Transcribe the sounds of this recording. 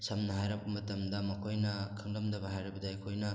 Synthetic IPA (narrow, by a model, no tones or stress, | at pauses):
sɐmnɐɦajɾɐbɐmɐtɐmdɐmɐkʰojnɐkʰɐŋdɐmdɐbɐɦajɾɐbɐdɐɐjkʰojnɐ